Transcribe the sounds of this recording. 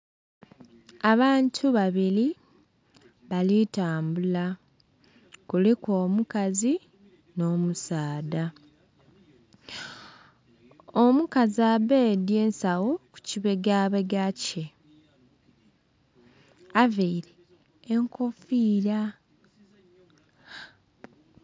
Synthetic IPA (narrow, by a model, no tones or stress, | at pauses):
aβaːntʰuβaβiɾi | βalitaːmbula | kuleko̞ːmukazi | no̞ːmusaːda | omukaziabedjeːnsawo̞ku̥ciβe̞ɡaβeɡace | aveiɾeː | ŋko̞fiɾa